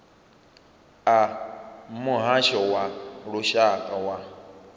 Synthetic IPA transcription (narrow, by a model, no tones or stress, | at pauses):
am̩moɦaʃɔwaɾoʃakawa